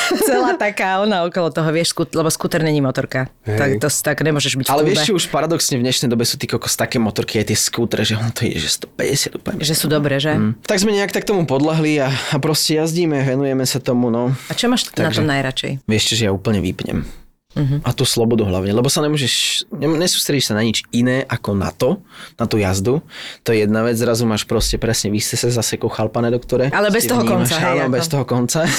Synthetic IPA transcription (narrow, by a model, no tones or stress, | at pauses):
t͡sɛlaːt̪akaːɔnaɔkɔlɔt̪ɔɦɔʋɪɛʃskulɛbɔskuːt̪ɔɾɲɛɲiːmɔt̪ɔɾkaakt̪ɔst̪akɲɛmʊɔʒɛʒbicalɛʋɪɛʃɛt͡ʃɛuʃpaɾad̪ɔksɲɛvɲɛʃnɛjd̪ɔbɛsu̥t̪ikɔkɔ̥st̪akɛjmɔt̪ɔɾkiajt̪ɪɛskuːt̪ɾɛʒɛɔnɔt̪ɔḭɟɛ̰ʒɛst̪ɔ̥pɛɟɛsɪad̪uːpl̩ɲɛʒɛsuːd̪ɔbɾɛʒɛt̪aɡzmɛɲɛakt̪ak̚t̪ɔmupɔd̪lɛɦliaapɾɔscɛjazɟiːmɛaʋɛnujɛmɛsat̪ɔmunɔat͡ʃɔmaːʃt̪anaɡʒɔɛmnajɾat͡ʃɛ̰jʋɪɛʃt͡ʃɛʒɛjauːpl̩ɲɛʋḭpɲɛ̰m | ɦʔat̪uːslɔbɔd̪uɦla̰ʊɲɛlɛbɔsaɲɛmɔʒɛʃɲɛɲɛsu̥ːst̪ɾɛɟiʃsanaɲid͡ʒinɛːʔakɔna̰t̪ɔnat̪uːjazd̪ut̪ɔjɛjɛd̪naʋɛd͡zzɾazumaːʃpɾɔscɛpɾɛsɲɛʋisɛsɛzasɛkɔʊxalpanɛd̪ɔkt̪ɔɾɛalɛbɛst̪ɔɦɔkɔnaɛɛbɛst̪ɔɦɔkɔnt͡sa